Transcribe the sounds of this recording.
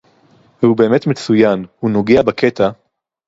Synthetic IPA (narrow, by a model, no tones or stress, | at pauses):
vube̞ːmetme̞t͡sujanhuno̞ɡeabakʰet̪a